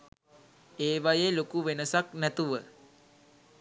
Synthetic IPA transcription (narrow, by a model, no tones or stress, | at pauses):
eːʋajelokuʋenəsaknæt̪uʋə